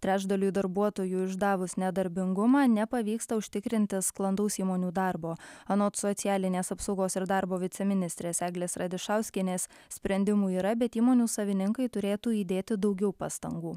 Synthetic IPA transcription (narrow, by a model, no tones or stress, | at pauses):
t̪ʲɾʲæːʒd̪ɐlʲuːd̪ɐɾbuɔt̪oːjuːɪʒd̪ɑːʋʊsnʲɛd̪ɐɾʲbʲɪŋɡʊmɑːnʲɛpɐʋʲiːkst̪ɐʊʃʲt̪ʲɪkɾʲɪnʲt̪ʲɪsklˠɐnd̪ɐʊsiːmoːnʲuːd̪ɑːɾboːɐnoːt̪sɔt̪sʲɪjæːlʲɪnʲeːsɐpsɒʊɡoːsɪɾd̪ɑːɾboːʋʲɪsʲɛmʲɪnʲɪst̪ʲɾʲeːsæːɡlʲeːsɾɐd̪ʲɪʃɑʊsʲkʲɪnʲeːs | sʲpʲɾʲɛnʲd̪ʲɪmuːiːɾɐbʲɛt̪iːmoːnʲuːsɐʋʲɪnʲɪŋkɐɪt̪ʊɾʲeːt̪uːiːd̪ʲeːt̪ʲɪd̪ɒʊɡʲɛʊpɑ̰ːst̪ɐŋɡuː